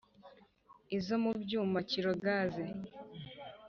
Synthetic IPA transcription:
izo̞mubɟuːmaciɾo̞ɡaze

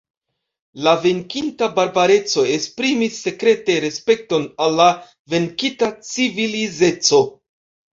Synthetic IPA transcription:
lave̞ŋkintabaɾbaɾe̞t͡so̞e̞spɾimisːe̞kɾe̞te̞ɾe̞spe̞k̚to̞nalːa | ve̞ŋkitat͡sivilize̞t͡so̞

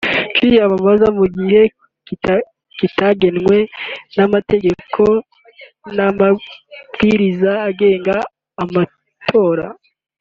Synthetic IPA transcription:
t͡ʃijaβaβazamuɡihe̞ | ki | kitaɡe̞nŋwe̞namate̞ɡe̞kʰo̞ | namab̥ɡiɾizaːɡe̞ːŋɡaː | ma | tʰo̞ːɾa

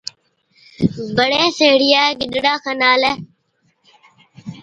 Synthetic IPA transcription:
bəɽeːseɦɽɪjaːɡɪɗɽaːxənaːlɛ

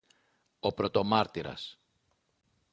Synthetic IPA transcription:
o̞pɾo̞t̪o̞mɐɾt̪iɾɐ̰s

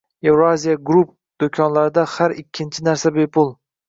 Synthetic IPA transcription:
je̞vɾoazijaɡɾup̚ | d̪̥okʲʰɒnlaɾɪd̪ahaɾɪkʲʰːɪnt͡ʃʰɪnaɾsabe̞pʊlˠ

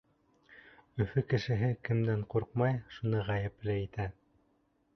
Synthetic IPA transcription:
ɵ̆fɵkɘ̆ʃɘ̆ɦɘkɘ̆md̪æɴquɾqmɑjʃunɤʁæjɘ̆plɘit̪æ

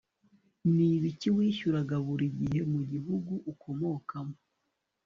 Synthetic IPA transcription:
niβiciwiːʃuɾaɡaβuɾiɟiɦe̞muɟiɦuɡuʔukʰo̞mo̞kamo

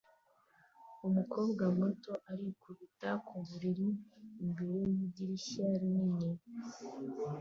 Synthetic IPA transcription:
umukʰo̞ːbɡamoto̞ʔaɾikuβutakuβuɾiɾiːmbeɾejiɟiɾiʃaɾiniɲi

